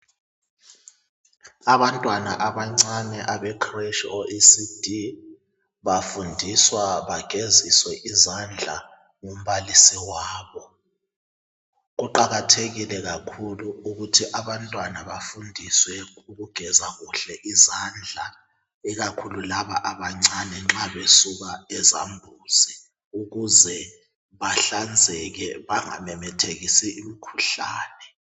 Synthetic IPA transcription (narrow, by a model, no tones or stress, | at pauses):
aβantʼwanaʔaβaŋ͡ǀanɛʔaβɛkʰreʃɔʔisid̥ʱi | βafundʱiswaβaɡ̥ʱeziswɛʔizand͡ɮʱa̰ | ŋom̩βalisiwaːβɔ | ɣuǃaɣatʰeɣilɛɣakʰuluuɣutʰiʔaβantʼwanaβafundʱiswɛuɣuɡ̥ʱɛzaɣuɬɛʔizand͡ɮʱa | iɣakʰululaβaʔaβaŋ͡ǀanɛŋ͡ǁaβesuβaɛza̰mbʱuzi | uɣuzɛ | βaɬand͡zʱɛɣɛβaŋa̰mɛmɛtʰeɣisiimikʰuɬa̰ːnɛ